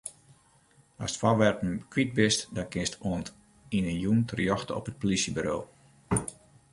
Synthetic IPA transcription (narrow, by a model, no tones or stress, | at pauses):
ɔ̰stfɔʋɛrpn̩kʰʋit̚bɪstdɔnkɪstʰoənt | inəjuntʰərjɔxtəɔ̰pət̚polisjəbyɾo̰ː